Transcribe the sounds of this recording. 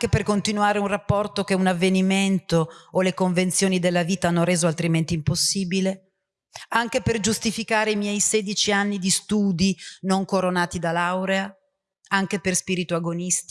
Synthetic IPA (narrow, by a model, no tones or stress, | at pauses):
ŋk̟eperkont̪inuaːɾeunrapːɔrt̪ok̟eunavːeniment̪oːlekoɱvent̪sjoːnid̪elːaviːt̪aanːoɾeːzoalt̪ɾiment̪iːmposːiːbile | aŋk̟eperd͡ʒust̪ifikaːɾeimjɛjseːd̪it͡ʃianːid̪ist̪uːd̪inoŋkoɾonaːt̪id̪alawɾea | aŋk̟eperspiːɾit̪uaɡonist̪